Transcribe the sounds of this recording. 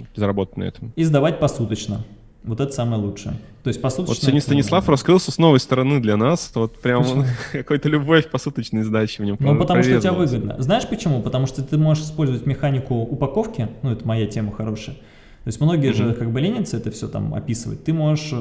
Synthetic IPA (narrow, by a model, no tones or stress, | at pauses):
zəɾɐbo̞t̪ətʲnə̰ɛ̰t̪əmizd̪ɐvat̚ʲpɐsut̪ət͡ɕnə | vo̞t̪ɛt̪əsaməjəlˠut͡ʂʂɨjə̰t̪o̞jɪsʲtʲpɐsut̪ott͡ɕ̪snnʲst̪ənʲɪslˠafrɐskɾɨlˠsʲəsno̞vəjst̪əɾɐnɨd̪lʲɐnasvot̪pɾʲamnkɐko̞jt̪əlʲʊbo̞fʲpɐsut̪ət͡ɕnəjzd̪at͡ɕɪvnʲomnopət̪ɐmuʂvʲoetʲɪbavɨɡəd̪nə̰znaɪʂpət͡ɕɪmupət̪ɐmuʂt̪ot̪ɨmo̞ʐɨʂɨspo̞lʲzəvətʲmʲɪxanʲɪkʊʊpɐko̞fkʲɪnuɛt̪əmɐjatʲeməxɐɾo̞ʂəjə | t̪o̞ɪsʲmno̞ɡʲɪjəʐɨkaɡ̚bɨlʲenʲɪt̪sɨɛt̪əfsʲot̪a̰mɐ̰pʲisɨvə̰t̚ʲt̪ːɨmo̞ʐɨʂ